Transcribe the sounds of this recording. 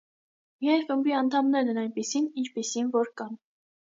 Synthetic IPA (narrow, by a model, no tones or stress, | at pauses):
miɑjɾχəmbiɑnt̪ʰɑmnɛɾɛnɑjnpisinint͡ʃʰpisinvɔɾkɑn